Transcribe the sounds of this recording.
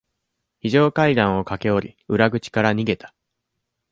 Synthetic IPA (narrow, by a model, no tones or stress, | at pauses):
çiʑo̞ːkaid̪ãɰ̃o̞kake̞o̞ɾʲḭɯ̟ɾaɡɯ̟t͡ɕi̥kaɾaɲ̟iɡe̞t̪ḁ